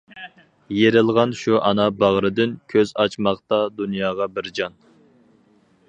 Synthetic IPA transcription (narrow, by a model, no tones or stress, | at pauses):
jeɾɪlˠʁɑnʃuʔɑnɑbɑʁɾɨd̪ɪnkʲʰøzɑt͡ʃmɑqt̪ɑd̪unjɑːʁɑbɪɾd͡ʒɑn